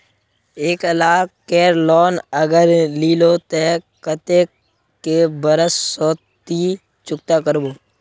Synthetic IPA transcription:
eːkəlaːkkɛːɾlɔːnəɡəɾliːloːt̪e | kət̪e | kebəɾəsːɔːt̪i | t͡ʃʊk̚t̪akəɾboː

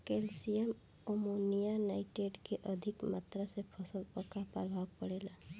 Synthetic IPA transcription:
keːlsijəm | omonijanaːɪʈeɖkeʔəd̪ʱɪkmat̪ɾəsepʰəsəlpəkapɾəbʱaːwpəɽeːlaː

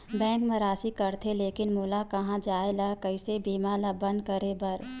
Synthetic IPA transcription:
bɛ̃ːŋkmɐɾaːsikɐɾt̪ʰeleːkɪnmuːlakɐɦãd͡ʒaːelakɐisebiːmalabɐ̃nd̪̚kɐɾebɐɾ

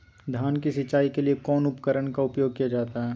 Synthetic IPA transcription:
d̪ʱjaːnkisɪt͡ʃaːikeliekɔːnʊpkəɾəɳkaʊpjoːɡ̚kijad͡ʒaːt̪aɦɛː

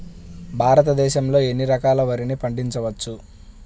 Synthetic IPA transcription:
bʱaːɾɐt̪ɐd̪ɛːʃɐmlo̞ːe̞nːiɾɐkaːlɐʋɐɾinipɐɳɖiɲt͡ʃɐʋɐt͡ʃːu

